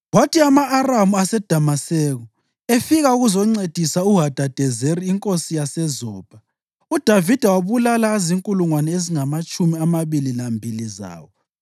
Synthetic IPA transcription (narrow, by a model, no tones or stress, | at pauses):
watiamaʔːramuasɛd̥ʱamasɛːɣɔ | efiɣauɣuzɔŋ͡ǀed̥ʱisauɦad̥ʱad̥ʱɛzeɾiːŋkʼosijasɛzɔːb̥ʱa | ud̥ʱavid̥ʱawaβulalaziŋkʼuluŋwanɛeziŋamat͡ʃʼumiamaβililambʱiliza̰ːwɔ